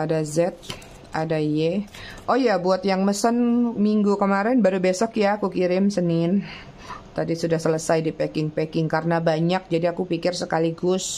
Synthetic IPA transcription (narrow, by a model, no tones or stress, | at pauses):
adazɛt̪̚ | adajɛʔojabuat̪jaŋməsənmiŋɡukəmaɾɛnbaɾubesɔkjakukiɾɪmsənɪn | t̪adisudahsələsajdipɛkɪŋpɛkɪŋkaɾənabaɲak̚d͡ʒadiakupikɪrsəkaliɡʊs